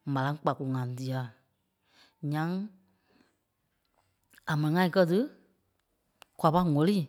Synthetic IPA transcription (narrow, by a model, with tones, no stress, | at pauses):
mã˨lã˦ŋ˦k͡pa˨ku˨ŋã˨di˨a˨˦ | ɲã˦ŋ | a˨mɛ̃˨nĩ˨ŋã˧ĩ˧kɜ˦tɨ˦ | kwa˧˨pa˧˦ŋɔ˨liː˦˨